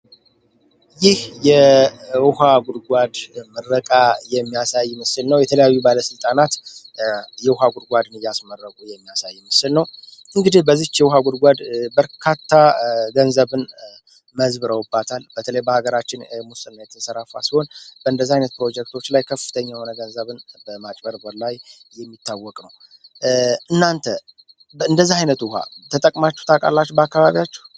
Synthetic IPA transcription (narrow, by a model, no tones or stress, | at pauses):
jɪhjɛwʊhaɡʷʊd̪ɡʷad̪mɨrːəkʼajɛmːijasajːmɨsɨlnəwjɛt̪ʰələjajːubaləsɨlt̪ʼanat̪ | jɛwuɦaɡʷʊd̪ɡʷad̪ɨnɨjasmərːəkʼujɛmːijasajːmɨsɨlnəwʔɨŋɡɨd̪ihbəzːiht͡ʃjɛwuɦaɡʊd̪ɡʷad̪bəɾkʰat̪ʰːaɡənzəβɨn | məzbɨɾəwɨbːat̪ʰalb̥ət̪ʰələjbəhaɡəɾat͡ʃːɪnmusɨnːajɛt̪ʰəsəɾafa̰siho̞nb̥əɨnd̪əzːahajnət̪̚pɾo̞d͡ʒɛk̚t̪ʰo̞t͡ʃːlajkʰəfɨt̪ʰəɲːajɛho̞nəɡənzəβɨnbəmat͡ʃʼbəɾbəɾlajːɛmːit̪ʰːawːɔkʼnəw | ʔɨnːant̪ʰə | ɨnd̪əzːahajnət̪ʊɦa̰t̪ʰət̪ʼəkʼmat͡ʃːɛht̪ʰakʼa̰lːat͡ʃːɛbəakːaβaβijat͡ʃːɛ